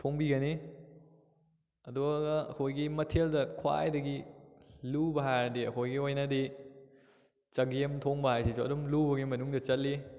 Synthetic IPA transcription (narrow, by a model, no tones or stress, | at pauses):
tʰoŋbiɡɐni | ɐduɡaɡɐɐ̰kʰojɡimɐtʰeldɐkʰwa̰jdɐɡi | lubɐɦajɾdiɐkʰojɡiojnɐdi | t͡ʃɐɡiemtʰoŋbɐhajsisuɐdumlubɐɡimɐnuŋdɐt͡ʃɐtlːi